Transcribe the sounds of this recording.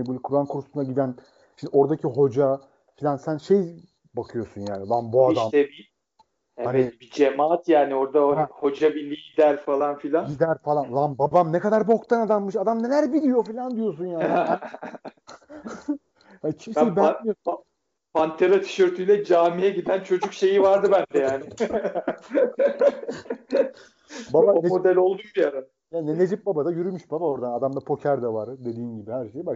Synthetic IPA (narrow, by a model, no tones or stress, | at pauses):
ebulʲkʰuɾankʰuɾusunaɟid̪æn | ʃimd̪ʲo̞ɾd̪acʰiɦo̞d͡ʒa | filʲansænʃe̞j | bakʰɯjo̞sunjaːnilˠambuadd̪amt̪ɛbi | ɛanvɛɪt̪̚bid͡ʒemaːt̪jaːnio̞ɾd̪aho̞d͡ʒabilʲiid̪æɾfalˠanfilʲanɟid̪æɾfalˠanlˠambabamnekad̪aɾbo̞k̚t̪ʰanad̪anmɯʃad̪amnelʲæɾbilʲijo̞filʲand̪ijo̞s̬unjaːi | hant͡ʃʰiʃibæ | pant̪ʰeɾat̪ʰi̥ʃyɾt̪ʰyjlʲɛd͡ʒaːmijɛɟid̪ænt͡ʃʰo̞d͡ʒukʃe̞jivaɾd̪ɯbænd̪ɛjaːnɪ | babaonemod̪ælʲo̞lˠd̪umbijaɾa | jaːnne̞d͡ʒip̚babad̪ajyɾymyʃbabao̞ɾd̪anad̪amd̪apʰo̞cʰæɾd̪avaɾd̪e̞d̪iːnɟibihæɾʃejba